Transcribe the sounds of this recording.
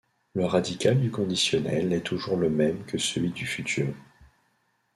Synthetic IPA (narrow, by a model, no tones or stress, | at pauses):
ləʁad̪ikʲald̪ykɔ̃d̪isjɔnɛ̰lɛt̪ʰuʒuʁləmɛmkʰəsəlɥid̪yfyt̪ʰyːʁ